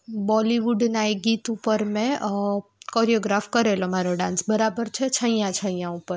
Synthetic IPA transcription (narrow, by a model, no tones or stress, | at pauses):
bɔliʋuɖnaeɡit̪upəɾmẽ | kɔɾijoɡɾafkəɾelomaɾoɖãnsbəɾabəɾt͡ʃʰet͡ʃʰə̃j̃jãt͡ʃʰə̃jãupəɾ